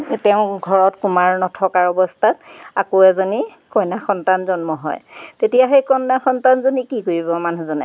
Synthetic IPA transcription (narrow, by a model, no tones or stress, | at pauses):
tɛʊ̃ɡʱɔɹɔtkumaɹnɔtʰɔkaɹɔbɔstʰata̰koɛzoni | kɔjnaxɔntanzɔnmɔɦɔ̰jtetijaɦejkɔnːaxɔntanzonikikoɹibɔmanuzɔna̰